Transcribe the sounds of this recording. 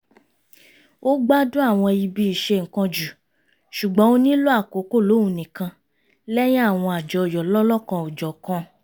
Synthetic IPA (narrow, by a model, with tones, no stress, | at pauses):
o˦ɡ͡ba˦dũ˦a˦˨w̃ɔ̃˧i˧bi˧˦i˨ʃe˧ŋ̩˨kã˧d͡ʒu˨ | ʃu˨ɡ͡bɔ̃˨˦o˦nĩ˦lo˦a˦˨ko˨˦ko˦˨lo˨˦ũ˨˧˨nĩ˨kã˧ | lɛ˦j̃ĩ˦a˦˨w̃ɔ̃˧a˨d͡ʒɔ˧˨jɔ˨lɔ˦lɔ˦kã˧o˨d͡ʒɔ˨kɔ̃˧